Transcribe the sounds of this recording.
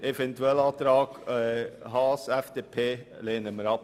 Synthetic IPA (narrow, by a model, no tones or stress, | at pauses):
efɛntuɛlɑːt̪ɾɑːɡɛɦɑːsɛfd̥eːpʰeː | leːnəməɾɑp